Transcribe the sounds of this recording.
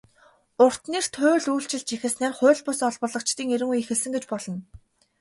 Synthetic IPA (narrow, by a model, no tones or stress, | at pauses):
ʊr̥t̪niːr̥t̪ʰʊːɮujɬt͡ɕɪ̆ɮt͡ɕixɘ̆snæːrχʊ̟ːɮpʊsɔɮpɔ̆ɮɞ̆kt͡ɕt̪iːŋeɾɘ̆ŋujixɘ̆ɮsɘ̆ŋɡet͡ɕpɔɮɞ̆n